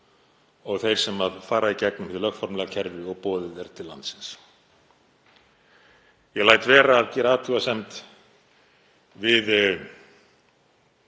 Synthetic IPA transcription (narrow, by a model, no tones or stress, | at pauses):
ɔɣθejɾ̥sɛmaðfaːɾaicɛknʏmhɪðlœɣfɔɾmlɛɣacʰɛɾvɪɔɣpɔːðɪðɛɾt̪ʰɪlːa̰nt̪sɪ̥ns | jɛlajt̪vɛːɾaːðcɛːɾaaːt̪ʰuasɛmt̪ | vɪð